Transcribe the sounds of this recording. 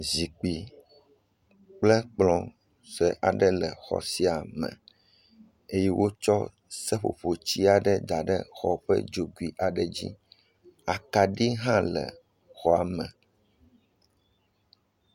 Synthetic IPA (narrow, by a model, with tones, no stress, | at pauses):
zi˨k͡pi˨ | k͡plɛ˦k͡plɔ̃˨ | sɛ˨ʔa˨ɖɛ˦lɛ˨xɔ̰˨si˦a˨mɛ̰̃˨ | e˦jɛ˦wo˦t͡ʃɔ˦ | sɛ˦ɸo̰˨ɸo˨t͡ɕi˦a˨ɖɛ˦d̪a˨ɖɛ̰˦xɔ˨ɸɛ̰˦d͡ʒo˨ɡu˨i˨ʔa˨ɖɛ˦˨d͡ʑḭ˦ | a˨ka˨ɖi˦ɦã˦lɛ̰˨ | xɔ˨a˨mɛ̃˨